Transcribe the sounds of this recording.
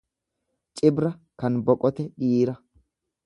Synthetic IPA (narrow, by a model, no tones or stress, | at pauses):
t͡ʃʼɪbɾɐkɐnbɔkʼɔt̪ɛɗiːɾɐ